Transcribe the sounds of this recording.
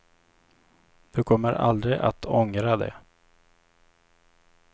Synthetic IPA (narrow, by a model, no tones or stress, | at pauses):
d̪̥ɵkʰɔmːəɾʔa̰ld̪ɾɪʔa̰t̪ʰɔŋɾad̪ɛ̰